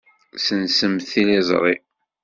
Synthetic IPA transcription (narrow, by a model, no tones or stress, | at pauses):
sənsəmθilizˤʁi